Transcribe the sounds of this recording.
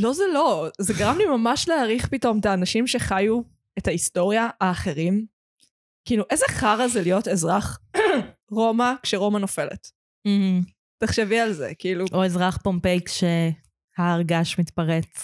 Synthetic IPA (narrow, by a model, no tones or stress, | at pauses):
lo̞zelo̞zeɡaʁamlimamaʃleaʁiχpito̞metaːnaʃimʃe̞χaju | ethaisto̞ʁjaaːχe̞ʁim | kiiluʔezeχaʁazelijo̞te̞zʁaχ | ʁo̞makʃeʁo̞mano̞fe̞lḛt | m̩hm̩ | teχʃevialzḛkiiluʔoezʁaχpompejkʃe | haːʁɡaʃmit̪paʁet͡s